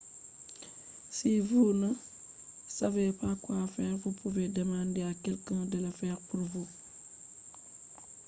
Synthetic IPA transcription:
sivuna | savepakwafɛːɾvupuvedemãndeakɛlkãːdəlafɛːɾpuɾvu

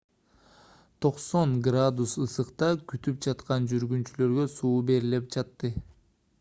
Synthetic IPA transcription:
t̪ʰo̞qso̞ŋɡrad̪usɯsɯqt̪ɑkyt̪yp̚d͡ʒɑt̪qɑnd͡ʒyɾɡynt͡ʃylø̞ɾɡø̞suːbe̞ɾilep̚d͡ʒɑt̪ːɯ

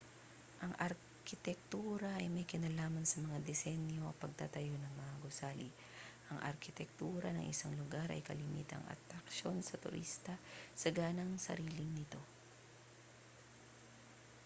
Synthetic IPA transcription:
ʔɐŋɐɾ | kɪt̪ɛk̚t̪uːɾɐʔɐjmɐjkɪnalaːmɐnsɐmɐŋad̪ɛsɛnjo̞ɐpɐɡ̚t̪at̪ɐjo̞nɐŋmɐŋaɡʊsaːli | ʔɐŋʔɐ̰ɾkɪt̪ɛk̚t̪uːɾɐnɐ̰ŋʔɪ̰saŋlʊɡaɾʔɐ̰jkɐlɪmḭːt̪ɐ̰ŋɐ̰t̪ɾɐkʃo̞nsɐt̪ʊ̰ɾʔḭst̪ɐsɐɡaːnɐŋsɐ̰ɾiːlɪŋnɪt̪o̞

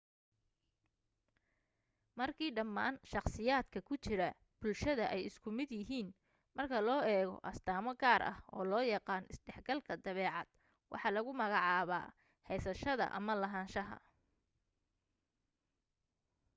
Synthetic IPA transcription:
mɐrkʰiːɖɐmːaːnʃɑqsɪjaːd̪kʰɐkʰʊt͡ʃɪɾɐ | b̥ʊlʃɐðɐʔɛjɪskʰʊmɪd̪jɪɦiːn | mɐrkʰɐlɔːɛːɣɔ̰ʔɐst̪ʰaːmɐɡaːɾʔɐ̰hɔ̰ːlɔːjɑqɑːnɪsɖɛħɡɐlkʰɐd̪ɐβɛːʕɑ̰d̪̥ | wʔɑ̰ħɑlɐɣʊmɐɣɑʕɑːβa̰ː | hɛjsɐʃɐðɐ̰ʔɐ̰mɐlɐɦaːnʃɐɦɐ̰

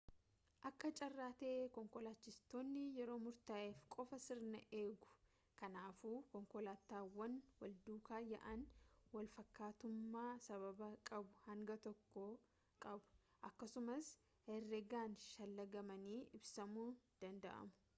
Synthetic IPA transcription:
ʔɐkːɐt͡ʃʼɐrːaːt̪ɛʔekɔŋkɔlaːt͡ʃːɪst̪oːnːɪjɛɾo̞ːmʊɾt̪aːʔeːfkʼɔfɐsɪɾnɐʔe̞ːɡʊ̥ | kɐnaːfuːkɔŋkɔlaːt̪aːwɐnwɐld̪uːkaːjɐ̰ʔɐnwɐlfɐkːaːt̪ʊmːaːsɐβɐbɐkʼɐbʊhɐŋɡɐt̪ɔkːo | kʼɐbʊ̥ | ʔɐkːɐsʊmɐs | hɛrːɛɡaːnʃɐlːɐɡɐmɐniːʔɪbsɐmuːnd̪̥ɐnd̪ɐ̰ʔɐ̰mʊ̥

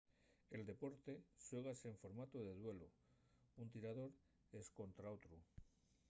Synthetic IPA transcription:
e̞ld̪e̞po̞ɾt̪e̞swe̞ɣ̞aseɱfo̞ɾmat̪oð̞e̞ð̞we̞lo | unt̪iɾað̞o̞ɾ | e̞sko̞nt̪ɾaot̪ɾu

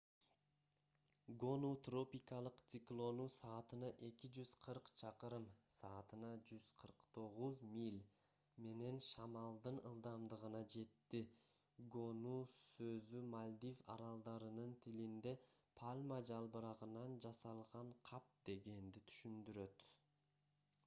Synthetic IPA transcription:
ɡo̞nut̪ro̞pʲikɑlˠɯqt̪siklˠo̞nusɑːt̪ɯnɑʔe̞kid͡ʒyzqʰɯɾqt͡ʃʰɑqɯɾɯmsɑːt̪ɯnɑd͡ʒyzqʰɯɾqt̪ʰo̞ʁuzmilʲ | me̞ne̞nʃɑmɑlˠd̪ɯnɯlˠd̪ɑmd̪ɯʁɯnɑd͡ʒe̞t̪ːi | ɡo̞nusø̞zymalʲd̪ifɑ̰ɾɑlˠd̪ɑɾɯnɯnt̪ʰilind̪e̞pʰalʲmad͡ʒɑlˠbɯɾɑʁɯnɑnd͡ʒɑsɑlˠʁɑɴqʰɑp̚d̪̥e̞ɡe̞nd̪it̪ʰy̥ʃynd̪yɾø̞t̪

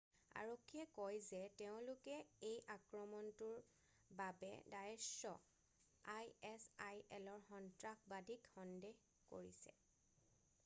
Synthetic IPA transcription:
a̰ɹokʰːijɛkɔjzɛteʊ̃lʊkɛejʔakɹɔmɔntuɹ | babɛ̰dajɛsɔ | ajɛsajɛlɔɹxɔntɹakbadʱikxɔndeɦ | ko̰ɹisɛ̰

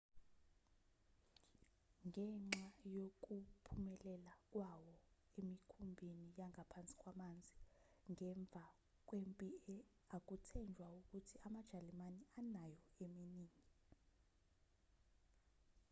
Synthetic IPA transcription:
ŋɛŋ͡ǁajok̬ʼupʰumɛlɛlak̬ʼwawɔ | emikʰumbʱinijaŋapʰant͡sʼi̥kʼwamand͡zʱi | ŋɛɱb̪vʱa | k̬wempʼiɛ | ak̬ʼutʰɛnd͡ʒʱwauk̬ʼutʰiamad̥ʒ̥ʱalimanianajɔeminiːŋi

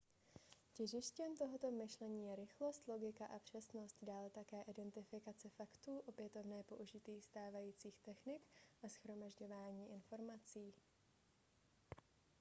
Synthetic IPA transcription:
cɛʒɪʃcɛmt̪oɦot̪o̞mɪʃlɛɲiːjɛɾɪxlo̞st̪lo̞ɡɪkaʔapr̝̥ɛsno̞st̪daːlt̪akɛːʔɪdɛnt̪ɪfɪkat͡sɛfakt̪uːʔo̞pjɛt̪o̞vnɛːpo̞ʔuʒɪt̪iːxst̪aːvajiːt͡siːxt̪ɛxnɪkʔasxɾo̞maʒɟo̞vaːɲiːʔɪnfo̞ɾmat͡siː

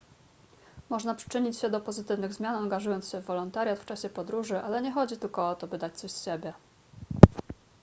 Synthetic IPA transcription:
mɔʐnapʂɘ̥t͡ʂɘɲit͡ɕɕɛd̪ɔpɔzɘt̪ɘvnɘɣzmʲjanaŋɡaʐujɔnt̪sɕɛvːɔlɔnt̪aɾʲjat̪ft͡ʂaɕɛpɔd̪ɾuʐɘʔalɛɲɛxɔd͡ʑit̪ɘlkɔɔt̪ɔbɘd̪at͡ɕt̪sɔɕsɕebʲjɛ

